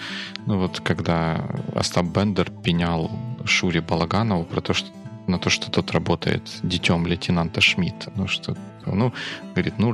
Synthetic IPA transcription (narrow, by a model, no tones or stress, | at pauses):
nuvo̞t̪kɐɡd̪aɐ̰st̪abbɛnd̪ərpʲɪnʲalˠʂuɾʲɪbɐlˠɐɡanəvʊpɾɐt̪oʂt̪ | nɐt̪o̞ʂt̪o̥t̪o̞t̪rɐbo̞t̪ə̰jɪ̰t̪dʲɪtʲo̞mlʲɪtʲɪnant̪əʂmʲit̪nuʂt̪o | onuɡəvɐɾʲit̪nu